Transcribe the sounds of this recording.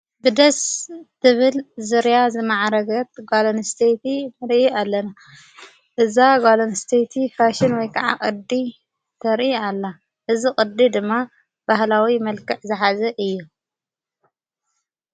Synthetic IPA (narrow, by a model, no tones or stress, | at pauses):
bɨd̪ɐst̪ʰɨβɨlzɨɾjazɨmaʕɾɐɡɐt̪̚ɡalonst̪ʰet̪imɨɾʔialːɐna | ʔɨzaɡalonst̪ʰet̪ʰifaʃɪnwɔjkʰaʕa̰kʼɨd̪i | t̪ʰɐɾʔialːa | ʔɨzikʼɨd̪id̪ɨmːa | b̥ahlawimɐlkɨʕzɨħazɐʔɨjːu